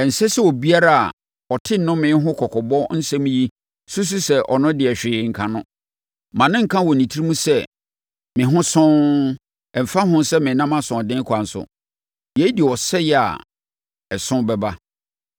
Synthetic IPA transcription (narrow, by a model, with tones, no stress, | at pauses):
ɛ˨n̩˨sɛ˦sɛ˦wɔ˨bi˦a˦ɾa˦a̰˨ | ɔ˨tʰɪ˦n˨nʊ̃˦mɪ̃˦ɦʊ̃˦kʰɔ˨kʰɔ˨bɔ˦n̩˦sɛ̃˦m̃˦ji˦ | su˦s̬u˦sɛ˦ʔɔ̰˨nʊ̃˦dɪ˨ɛ˨ɕᶣɪː˨ŋ̩˨kʰã˨nʊ̃˦ | mã˨nɪ̃˦ŋ̩˨kʰã˦wɔ˨nĩ˨tʰi˦ɾi˦mũ˦sɛ˦ | mɪ̃˨ɦʊ̃˦sʊ̃˦ | ɛ˨m̩˨fa˦ɦʊ̃˦sɛ˦mɪ̃˨nã˦mã˦sʊ̃˨dɪ̃˦kʰʊ˨a˨n̩˨sʊ̰˨ | jɛ˨˦di˨ɔ˨sɛ˦jɛ˨a̰˨ | ɛ˨sʊ̃˦bɛ˨ba˦